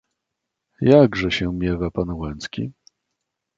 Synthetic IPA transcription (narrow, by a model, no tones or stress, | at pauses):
jaɡʐɛɕɛmʲjɛvapanwɛ̃nskʲḭ